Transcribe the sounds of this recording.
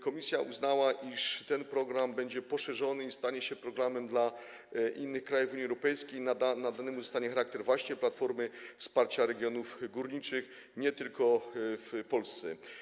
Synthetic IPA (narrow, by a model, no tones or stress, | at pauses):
kɔmʲisʲjaʔuznawaʔiʂt̪ɛnpɾɔɡɾambɛɲd͡ʑɛpɔʂɛʐɔnɘist̪aɲɛɕɛpɾɔɡɾamɛmd̪la | ʔinːɘxkɾajuvuɲiɛwɾɔpɛjskʲejnaanad̪anɛmuzɔst̪aɲɛxaɾak̚t̪ɛɾvwaɕɲɛplat̪fɔɾmɘfspaɾt͡ɕaɾɛɡʲjɔnufɡuɾɲit͡ʂɘx | ɲɛt̪ɘlkɔfpɔlst̪sɛ̰